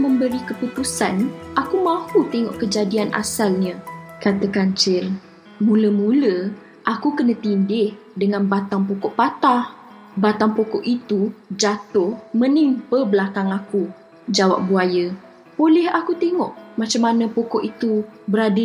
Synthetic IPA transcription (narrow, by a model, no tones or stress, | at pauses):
məmbəɾikəput̪usanʔakumãhut̪eŋɔ̰ʔkəd͡ʒadianʔa̰salɲãkat̪əkaɲt͡ʃɪr | mũləmulə | ʔakukənə̃t̪indɪh | dəŋãnbat̪aŋpokɔʔpat̪ah | bat̪aŋpokɔʔit̪ud͡ʒat̪ʊhməniŋpəbəlakaŋaku | d͡ʒawa̰p̚buajə | bolɛhakut̪eŋɔ̰ʔmãt͡ʃamanə̃pokɔʔit̪ubəɾadə